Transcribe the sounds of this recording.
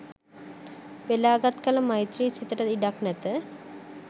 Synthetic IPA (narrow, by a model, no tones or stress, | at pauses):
belaːɡat̪kalɐmajt̪ɾit͡ʃʰit̪əʈaiɖaknɛt̪ə